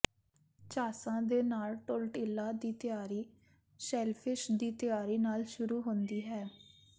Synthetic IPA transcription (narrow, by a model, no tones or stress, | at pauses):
t͡ʃaːsãːd̪eːnaːlʈʊlʈɪlːaːd̪iːt̪ɪjaːɾiː | sɛːlpʰɪʃd̪iːt̪ɪjaːɾiːnaːlʃʊɾuːɦʊ̃nd̪iːɦɛː